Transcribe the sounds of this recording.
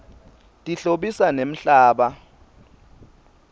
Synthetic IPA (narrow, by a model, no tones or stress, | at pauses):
tʼiɬoɓisanem̩ɬaːɓa